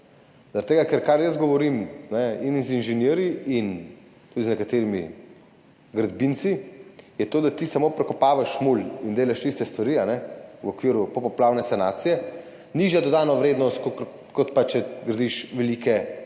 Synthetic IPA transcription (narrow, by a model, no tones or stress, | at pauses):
zaɾɐt̪ːeɡakɛɾkaɾjəzɡɔʋɔɾimnɛinzinʒɛnjeːɾjiin | t̪ud̪iznɛkat̪eɾimḭ | ɡɾad̪bint̪sijɛt̪oːd̪at̪isamopɾɛkɔpaːʋaʃmulind̪eːlaʃist̪ɛst̪ʋaɾianɛwɔkʋiːɾupɔpɔplaːwnɛsanaːt̪sijɛ | niʒjad̪ɔd̪aːnɔʋɾeːd̪nɔst̪k | kɔt̪pat͡ʃːɛɡɾad̪iʃʋɛlikɛ